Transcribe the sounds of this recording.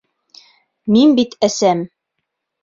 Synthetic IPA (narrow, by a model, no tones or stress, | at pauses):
minbit̪æsæm